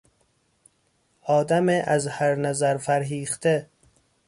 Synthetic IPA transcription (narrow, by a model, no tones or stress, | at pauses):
ʔɒːd̪æmeʔæzhæɾnæzæɾfæɾɦiːχt̪ʰe